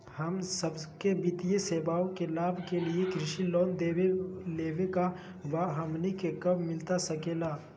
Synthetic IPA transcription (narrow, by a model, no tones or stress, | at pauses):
hɐmsəbkebɪt̪ijeseːbaːõkelaːbʱkeliekɾɪʃiloːnd̪eːeleːʋeka | baːɦəmnikekɐbmɪlt̪asɐkeːlaː